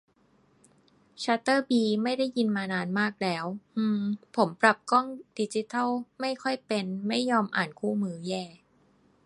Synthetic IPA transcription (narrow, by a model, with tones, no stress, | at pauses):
t͡ɕʰaː˦˥t̪ɤː˥˩biː˧ma˥˩jda˥˩jːi˧nmaː˧naː˧nmaː˥˩k̚lɛː˦˥wʔɯː˧pʰo˩˦mpɾa˨˩p̚kɔ˥˩ŋdi˧˥t͡ɕi˧˦˥t̪ʰa˥˩wma˥˩jkʰɔ˥˩jpe˧nma˥˩jːɔː˧mʔa̰ː˨˩nkʰuː˥˩mɯː˦jɛː˥˧˩